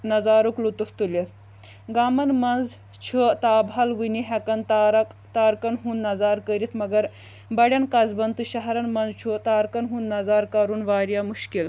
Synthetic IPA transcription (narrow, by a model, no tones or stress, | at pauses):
nɐzaːɾuklut̪uft̪ulet̪ʰ | ɡaːmɐnmɐnd͡z | t͡ʃʰut̪aːbʱalʋiniɦɛkɐnt̪aɾɐkt̪aːɾkɐnɦuːnːɐzaːɾkəɾit̪ʰmɐɡɐɾ | bɐɽʲjɐnkazbɐnt̪ɨɕɐɦɾɐnmɐnd͡zt͡ʃʰut̪aːɾkɐnɦũnːɐzaːɾkaɾuːnʋaːɾjamuʃkil